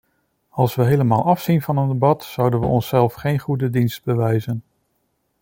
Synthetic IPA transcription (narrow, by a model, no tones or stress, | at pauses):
ɑlˠsʋəɦejləmaːlˠʔɑfsinvɑnəndebɑtsʌwdənʋə̰ɔnsɛlˠfχejnχudədinst̚bəʋɛjzən